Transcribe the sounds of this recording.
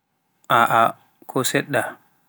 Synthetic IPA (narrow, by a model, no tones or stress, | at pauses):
ʔaʔa | kʰɔsɛɗːa